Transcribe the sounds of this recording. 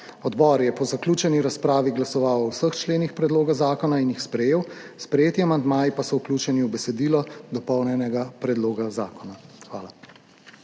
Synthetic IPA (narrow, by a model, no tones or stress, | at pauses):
ɔd̪bɔːɾjɛpɔzakluːt͡ʃɛniɾaspɾaːʋiɡlasɔʋawɔwsəxt͡ʃleːnixpɾɛd̪loːɡazaːkɔnainjixspɾɛjeːwspɾɛjeːt̪iamand̪maːjipasɔwkluːt͡ʃɛniubɛsɛd̪iːlɔd̪ɔpɔwnjɛnɛɡapɾɛd̪loːɡazaːkɔnaxʋaːla